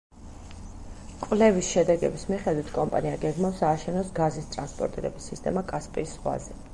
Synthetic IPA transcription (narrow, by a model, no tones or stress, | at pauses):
kʼwlɛvisʃɛd̪ɛɡɛbismiχɛd̪wit̪ʰkʼɔmpʼa̰niaɡɛɡmafsaːʃɛnɔsɡazist̪ʼɾanspʼɔ̰ɾt̪ʼiɾɛbisːist̪ʼɛmakʼaspʼiːsːχwa̰zɛ